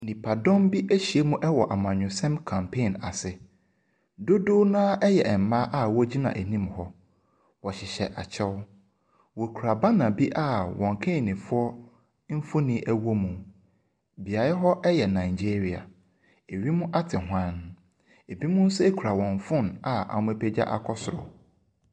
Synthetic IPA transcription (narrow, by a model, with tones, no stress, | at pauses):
nĩ˨pʰa˨dɔ̃˦mbi˦ʔæ˦ɕi˨e˦mũ˦ʔɛ˦wɔ˨ʔa˨mã˨ɲᶣʊ̃˨sɛ̃˦mkʰã˨mpʰe˦˨na˨sɪ˨ | do˦do˦nãː˦ʔɛ˦jɛ˨ɛ˨m̩˨mã˦ʔa˦wɔ˦d͡ʑi˦nã̰˨ʔæ˨nĩ˦mhɔ˦ | wɔ˨ɕɪ˨ɕɛ˨ʔa˨t͡ɕʰɛ˦w | wo˨kʰu˨ɾa˨ba˦nã˨bi˦ʔa˦wɔ̃˨ŋ˨kʰẽ˦˨nĩ˨fʊ˦ɔ˦ | m̩˦fʊ̃˦nĩ˦ʔæ˦wo˦mũ˨ | bi˨a˨ɾɛ˦ɦɔ˦ʔɛ˦jɛ˨nã˨ɪ˨d͡ʑe˦ɾi˨a̰˨ | e˨ɥi˦mũ˦ʔa˦tʰɪ˨ɦwã˦n | e˨bi˦mʊ̃˦n̩˦sɛ˦e˦kʰu˨ɾa˨wɔ̃˨ɱ˨fʊ̃˦na˨a̰˨mʊ̃˦e˦˨pʰe˦d͡ʑa̰˦ʔa̰˨kʰɔ˦sʊ˨ɾɔ̰˨